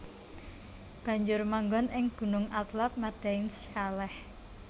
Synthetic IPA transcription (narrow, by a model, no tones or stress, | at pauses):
b̥ä̤ɲd͡ʒʊrmaŋɡɔnɪŋɡ̥ṳnʊŋat̪lap̚maɖ̥aɪnskalɛh